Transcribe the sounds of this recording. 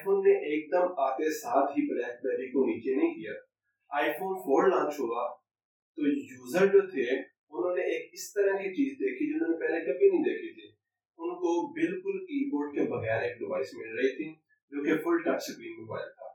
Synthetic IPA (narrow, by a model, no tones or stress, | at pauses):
afoːnːeʔeːk̚d̪əmaːkesaːt̪ʰɦipɾɛːkpɛːɾikoniːt͡ʃenɐɦĩkijaː | aːifoːnfʰoːɾlãːnt͡ʃɦoːɡaː | t̪oːjuːzəɾd͡ʒoːt̪ʰe | ʊnɦõːneeːkɪst̪əɾə̃kit͡ʃiːzd̪eːkʰid͡ʒonɦõːnepɛːlekɐbʱinɐɦĩd̪eːkʰit̪ʰi | ʊnkobɪlkʊlkiːpoːɾʈ̚kebɐɣɛːɾeːk̚ɖɪʋaːɪsmɪlɾɐɦit̪ʰiː | d͡ʒoːkefʊlɖkaʈsɪkɾiːnmɪba̰ːjat̪ʰa̰ː